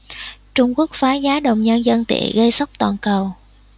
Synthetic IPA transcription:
t͡ɕʊ˧ŋ͡mku˦˥ək̚faː˨˦zaː˨˦ɗə˨˩wŋ͡mɲə˧nzə˧nt̪ḭ˧˩˨ɣə˧jsa˦˥wk͡p̚t̪waː˨˩nkə˨˩w

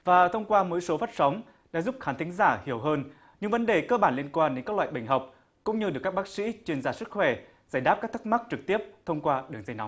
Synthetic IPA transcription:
vaː˨˩t̪ʰə˧wŋ͡mkwaː˧mo˨˦jso˨˦faː˦˥t̚sa˨˦wŋ͡m | ɗa̰ː˧˥zu˦˥p̚xaː˨˦nt̪ʰi˨˦ŋ̟zaː˧˩hi˧˩əwɦəː˧n | ɲɨ˧ŋvə˨˦nɗe˨˩kəː˧ɓaː˧˩nli˧ənkwaː˧nɗe˨˦nkaː˦˥klwa̰ː˧˨jɓa˧˩ŋ̟ɦɔ˨˩wk͡p̚ | kʊ̰˧˥ŋ͡mɲɨ˧ɗɨ˨˩kːa˦˥ɓaː˦˥k̚sḭ˧˥t͡ɕwi˧ənzaː˧˩sɨ˦˥k̚xwɛ˧˩ | zaː˧˩jɗaː˦˥p̚kaː˦˥k̚t̪ʰk̚ma˦˥k̚t͡ɕɨ˨˩k̚t̪i˦˥əp̚t̪ʰə˧wŋ͡mkwaː˧ɗɨ˨˩ŋ̚za˧jnɔ˨˦ŋ͡m

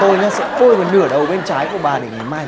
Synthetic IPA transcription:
o˧jɲaː˧˩sɛ̰˧˥ko˧˩jmɔː˨˩nɨ˧˩əɗə˨˩wɓe˧nt͡ɕaː˨˦jku˧˩əɓaː˨˩ɗe˨˦ŋa˨˩jmaː˧j

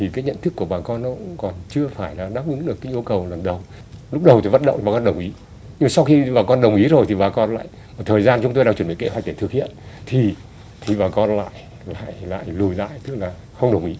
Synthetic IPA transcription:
t̪ʰi˨˩kaː˨˦jɲə̰˧˨nt̪ʰɨ˦˥kːu˧˩əɓaː˨˩kɔ˧nːɔ˨˦˥ŋ͡mkɔ˨˩nt͡ɕɨ˧əfaː˧˩jlaː˨˩ɗaː˦˥p̚ʔɨ˨˦nɗɨ˨˩əkːaː˨˦ʔu˧kə˨˩wlə˨˩nɗə˨˩w | lʊ˦˥k͡p̚ɗə˨˩wt̪i˨˩və̰˧˨nɗ̰ŋ͡maː˨˩kɔ˧ɗə˨˩wŋ͡mʔi˨˦ | ɲɨ˧ma˨sa˧wxi˧ɓaː˨˩kɔ˧nɗə˨˩wŋ͡mʔi˨˦zo˨˩jt̪i˨˩ɓaː˨˩kɔ˧nla̰ː˧˨j | ə˧˩t̪ʰəː˨˩jzaː˧nt͡ɕʊ˨˦ŋ͡mt̪o˧jɗaː˧˩t͡ɕə˧˩ɓḭ˧˨ŋke˧˦ɦwa˨˩k̟̚ɗe˧˩t̪ɨ˨˩k̚hḭ˧˨ənt̪ʰi˨˩ | t̪ʰi˨˩vaː˨˩kɔ˧nla̰ː˧˨j | la̰ː˧˨jla̰ː˧˨jlu˧˩jla̰ː˧˨jt̪ɨ˦˥k̚laː˨˩ | xə˧wŋ͡mɗə˨˩wŋ͡mʔi˨˦

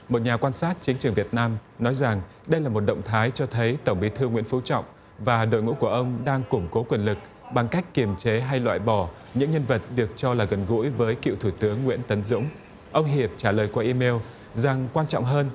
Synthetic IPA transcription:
mo˨˩t̚ɲaː˨˩kwaː˧nsaː˦˥t̚t͡ɕï˨˦ŋ̟t͡ɕɨ˨˩əŋvi˨˩ət̚naː˧mnɔ˨˦jza˨˩ŋ | ɗə˧jlaː˨˩mo˨˩t̚ɗə̰˧˨wŋ͡mt̪ʰaː˨˦jt͡ɕɔ˧t̪ʰə˨˦jt̪ə˧˩ŋ͡mɓi˨˦t̪ʰɨ˧ŋwḭ˧˥ənfu˨˦t͡ɕɔ̰˧˨wŋ͡m | vaː˨˩ɗo̰˧˨jŋṵ˧˥ku˧˩əʔə˧wŋ͡mɗaː˧ŋkʊ˧˩ŋ͡mko˨˦kwi˨˩ənlɨ˨˩k̚ | ɓa˨˩ŋka˦˥jk̟kːi˨˩əmt͡ɕe˨˦ɦa˧jlwa̰ː˧˨jɓɔ˧˩ | ɲɨ̰˧˥ŋɲə˧nvə˨˩t̚ɗɨ˨˩ək̚t͡ɕɔ˧laː˨˩ɣə˨˩nɣṵ˧˥jvəː˨˦jkḭ˧˨wt̪ʰu˧˩t̪ɨ˨˦əŋːwḭ˧˥ənt̪ə˨˦nzʊ̰˧˥ŋ͡m | ʔə˧wŋ͡mɦi˨˩əp̚t͡ɕaː˧˩ləː˨˩jkwaː˧ʔi˧me˧w | za˨˩ŋkwaː˧nt͡ɕɔ̰˧˨wŋ͡mɦəː˧n

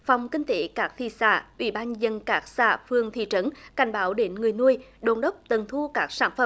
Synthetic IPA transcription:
fa˨˩wŋ͡mkï˧ŋ̟t̪e˧˦kaː˦˥k̚t̪ʰḭ˧˨sa̰ː˧˩ʔwḭ˧˩˦ɓaː˧nzə˧nkaː˦˥k̚sa̰ː˧˩fɨ˧əŋt̪ʰḭ˧˨t͡ɕə˨˦nka˨˩jŋ̟ɓaː˨˦wɗe˨˦nŋɨ˨˩əjnu˧əjɗo˧˩nɗə˦˥wk͡p̚t̪ə˨˩nt̪ʰu˧kaː˦˥k̚saː˧˩nfə̰˧˦m

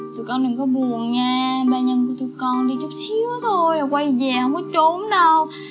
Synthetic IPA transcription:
t̪ʰɨ˨˩kɔ˧˩nɗɨ˨˩ŋkɔ˨˦ɓu˨˩ənɲaː˧ɓaː˧ɲə˧nku˧˩ət̪u˧kɔ˧nɗi˧t͡ɕu˦˥p̚sɨ˨˦ət̪ʰo˧jlaː˨˩kwa˧jzɛ˨˩hə˧wŋ͡mkɔ˨˦t͡ɕo˨˦nɗə˧w

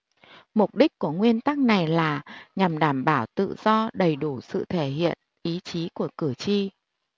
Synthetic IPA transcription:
mʊ˨˩k͡p̚ɗi˦˥k̟̚ku˧˩əŋwi˧ənt̪a˦˥k̚na˨˩jlaː˨˩ɲa˨˩mɗaː˧˩mɓaː˧˩wt̪ɨ̰˧˨z̥ɔ˧ɗə˨˩jɗu˧˩sɨ̰˧˨t̪ʰe˧˩ɦḭ˧˨ən | ʔi˨˦t͡ɕi˨˦ku˧˩əkɨ˧˩ət͡ɕi˧

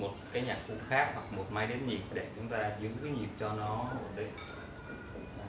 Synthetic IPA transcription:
mo˨˩t̚kaː˨˦jɲaː˧˩k̚fṵ˧˨xaː˦˥k̚hwa˨˩k̚mo˨˩t̚maː˧jɗi˨˦ən̚ɲi˨˩p̚ɗe˧˩t͡ɕʊ˨˦ŋ͡mt̪aː˧zɨ˨˦˨ɲi˨˩əp̚t͡ɕɔ˧nɔ˨˦o˧˩ɗə˨˧˦

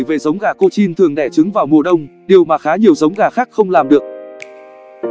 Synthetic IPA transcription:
jve˨˩zə˨˦wŋ͡mɣaː˧˩ko̰˧t͡ɕi˧nt̪ʰɨ˨˩əŋɗɛ˧˩t͡ɕɨ˨˦ŋvaː˨˩wmṵ˧˩˨ɗə˧wŋ͡mɗi˨˩əwmaː˨˩xaː˨˦ɲi˨˩əwzə˨˦wŋ͡mɣaː˨˩xaː˦˥k̚xə˧wŋ͡mlaː˨˩mɗɨ˨˩ək̚

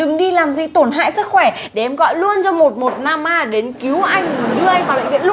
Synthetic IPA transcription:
ɗɨ˨˩ŋɗi˧laː˨˩mzi˨˩t̪o˧˩nɦa̰ː˧˨jsɨ˦˥k̚xwɛ˧˩ | ɗe˧˩ʔɛ˧mɣɔ̰˧˨jlu˧ənt͡ɕɔ˧mo˨˩t̚mo˨˩t̚naː˧mːaː˧ɗe˨˦nki˨˦əwʔa˧jŋ̟ŋɨ˨˩nɗɨ˧əʔa˧jŋ̟vaː˨˩ɓə̰˧˨ŋvḭ˧˨ənl

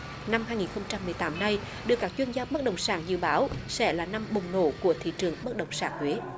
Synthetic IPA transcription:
na˧mhɦaː˧jŋi˨˩nxə˧wŋ͡mt͡ɕa˧mːɨ˨˩əjt̪aː˨˦mna˧j | ɗɨ˧˩əkaː˦˥k̚t͡ɕwi˧ənzaː˧ɓə˦˥t̚ɗə˨˩wŋ͡msa̰ː˧˩nzɨ̰˧˨ɓaː˨˦wsɛ̰˧˥laː˨˩na˧mɓʊ˨˩wŋ͡mno̰˧˩ku˧˩ət̪ʰḭ˧˨t͡ɕɨ˨˩əŋɓə˦˥t̚ɗə˨˩wŋ͡msa̰ː˧˩ŋhwe˨˦

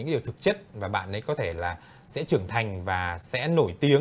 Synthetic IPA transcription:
ɨ̰˧˥ŋɗi˨˩əwt̪ʰɨ˨˩k̚t͡ɕə˦˥t̚vaː˨˩ɓa̰ː˧˨nʔə˨˦jkɔ˨˦t̪ʰe˧˩laː˨˩ | sɛ̰˧˥t͡ɕɨ˨˩əŋt̪ʰa˨˩jŋ̟vaː˨˩sɛ̰˧˥no˧˩jt̪i˨˦ə

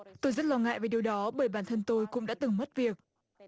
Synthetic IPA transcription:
t̪o˧jzə˦˥t̚lɔ˧ŋa̰ː˧˨jve˨˩ɗi˩əwɗɔ˨˦ɓəː˧˩jɓaː˧˩nt̪ʰə˧nt̪o˧jkʊ̰˧˥ŋ͡mɗa̰ː˧˥t̪ɨ˨˩ŋmə˦˥t̚vi˨˩ək̚

